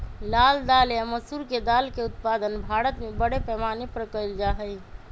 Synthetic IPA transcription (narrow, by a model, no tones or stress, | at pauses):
laːld̪aːlaməsuɾked̪aːlkeʊt̪̚paːd̪ənbʱaːɾət̪mẽbəɽepɛːmaːnepɾəkəld͡ʒaːɦəi